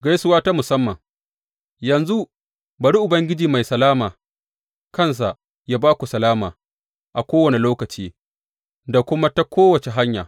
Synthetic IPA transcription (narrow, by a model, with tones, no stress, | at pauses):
ɡa˦jsʊ˦waː˦ta˦mʊ˨sɐ˦mːɐ˨ŋ | jɐ˨nzu˦ | bɐ˨ɽi˦ʔʊ˨bɐ˦ŋɡʲɪ˦d͡ʒiː˨ma˨jsɐ˨laː˦maː˨ | kɐ˦˨ns̬a˨ʔ | jaː˦baː˦kʷu˨sɐ˨laː˦ma̰ː˨ | ʔa˨kʷoː˦wɐ˨ni˨loː˦kɐ˨t͡ʃiː˦ | da˨kʷʊ˦ma˦ta˦kʷʰoː˦wɐ˨t͡ʃe˨ɦa˦ɲja̰ː˨